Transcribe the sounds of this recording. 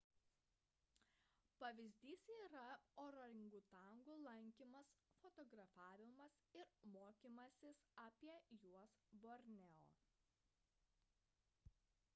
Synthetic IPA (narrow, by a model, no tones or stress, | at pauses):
pɐʋʲɪzʲd̪ʲiːsiːɾɐoːɾɔɾʲɪŋɡuːt̪ɐˑŋɡuːlˠɐŋʲkʲiːmɐsfɔt̪ɔɡɾɐfɑːʋʲɪmɐsɪɾmoːkʲiːmɐsʲɪsɑːpʲiɛjuɔsboːɾʲnʲɛo̰ː